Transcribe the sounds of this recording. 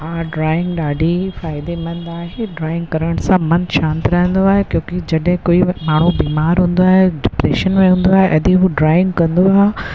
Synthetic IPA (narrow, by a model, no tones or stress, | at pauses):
aːɖɾaːɪ̃ŋɡɗaːɖʱifaːɪd̪emɐ̃nd̪aːɦeɖɾaːɪ̃ŋɡkɐɾəɽ̃sãmɐ̃nʃãːnt̪ɪɾɐɦə̃nd̪oaːɦekjõːkid͡ʑɐɗɦɪ̃koːimaːɳ̤ubiːmaːɾɦũːn̆d̪oaːɦeɖɪpɾeːʃənmẽɦũːn̆d̪oaːɦeʔɐd̪ʱiɦuɖɾaːɪ̃ŋɡkɐ̃nd̪oaːɦe